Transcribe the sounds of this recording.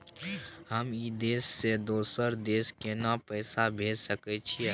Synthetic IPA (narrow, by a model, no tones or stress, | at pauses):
həmid̪eːsːed̪oːsəɾd̪eːskenapɛːsabʱeːd͡ʒsəket͡ʃʰiɛ